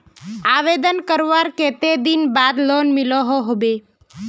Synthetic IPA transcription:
aʋed̪ənkəɾʋaɾket̪ed̪inbad̪lonmiloɦoɦobe

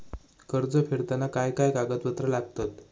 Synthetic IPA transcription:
kəɾd͡zəfeɾt̪anakajkajkaɡət̪pət̪ɾəlaɡt̪at̪

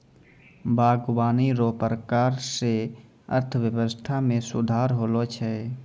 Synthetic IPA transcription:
bʱaːɡwaːniɾoːpəɾəkaːɾse | ə̰ɾt̪ʰəʋjəwəst̪ʰamẽsʊd̪ʱaːɾɦoːlot͡ʃʰɛ

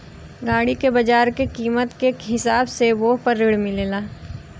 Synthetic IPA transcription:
ɡaːɽikebɐd͡ʒaːɾkekiːmət̪keɦɪsaːbseʋoːɦpɐɾːɪɽmɪleːlaː

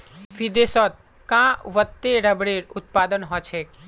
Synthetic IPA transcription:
bʱid̪esɔt̪̚ | kãʋət̪ːeɾəbɽeɾut̪̚pad̪ənɦɔt͡ʃʰek

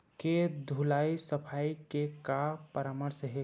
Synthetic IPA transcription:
ked̪ʱulaːisəpʰaːikekapəɾaːməɾsəɦe

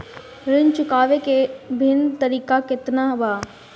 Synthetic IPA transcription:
ɾɪnt͡ʃʊkaːʋekebʱɪnt̪əɾiːkakɪt̪nabaː

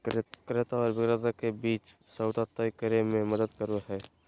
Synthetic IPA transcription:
kɾet̪aɔːɾbɪkɾet̪akebiːt͡ʃ | səʊd̪at̪əjkəɾemẽməd̪əd̪kəɾoɦɛː

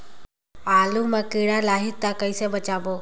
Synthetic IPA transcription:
aːlumãːkeːɽaːlaːɦɪt̪ːakəiseːbət͡ʃaːboː

